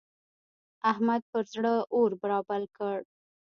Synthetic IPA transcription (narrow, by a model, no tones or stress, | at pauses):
ahmad̪̚pəɾzɽəʔoɾbaɾɑbalkəɽ